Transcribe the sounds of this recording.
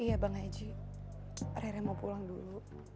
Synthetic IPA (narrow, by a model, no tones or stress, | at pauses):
ijabaŋaid͡ʒi | rɛɾɛmopulaŋdulu